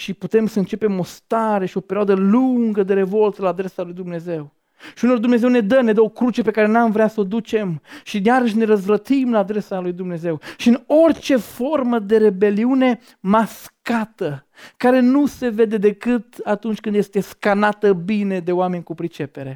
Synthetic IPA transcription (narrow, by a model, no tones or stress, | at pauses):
ʃiput̪e̞msəɨnt͡ʃe̞pe̞mo̞st̪aɾe̞ʃio̞peɾʲioad̪əluŋɡəd̪e̞ɾe̞vo̞lt̪səlaːd̪ɾe̞salujd̪umne̞ze̞w | ʃiuno̞rd̪umne̞zewne̞d̪əne̞d̪əo̞kɾut͡ʃe̞pe̞kaɾe̞namvɾeasəod̪ut͡ʃe̞mʃijaɾəʃ̬ne̞ɾəzvɾət̪imlaːd̪ɾe̞salujd̪umne̞ze̞wʃiɨno̞rt͡ʃe̞fo̞rməd̪e̞ɾe̞be̞liune̞ | maskat̪ə | kaɾe̞nuse̞ve̞d̪e̞d̪e̞kɨt̪at̪unt͡ʃʲkɨnd̪je̞st̪e̞skanat̪əbine̞d̪e̞oame̞nʲkupɾit͡ʃe̞pe̞ɾe̞